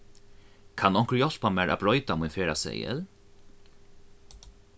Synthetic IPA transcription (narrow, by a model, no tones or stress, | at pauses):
kʰanɔŋ̥kɹjɔl̥pamæːɾʔa̰bɹɔʏt̪amujnfeːɾasɛ̰jə̰l